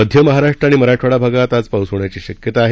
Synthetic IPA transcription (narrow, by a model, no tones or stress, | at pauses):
əd̪ʱjəməɦaɾaʂʈɾaɽ̃iməɾaʈʰʋaɽabʱaɡat̪at͡spawsəʋɳjat͡ɕiːɕəkjət̪aːɦe